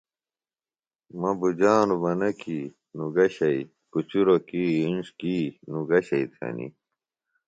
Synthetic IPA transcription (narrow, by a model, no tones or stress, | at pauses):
mɐbud͡ʑaːnubɐnɐkiː | nuɡɐɕɐi | kut͡ɕuɾokiːinʂkiːnuɡɐɕɐit̪ʰɐ̰nḭ